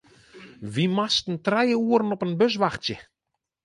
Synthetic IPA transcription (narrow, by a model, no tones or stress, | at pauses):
ʋimastn̩trɛjəuəɾənɔpənbøs̬ʋaxtjə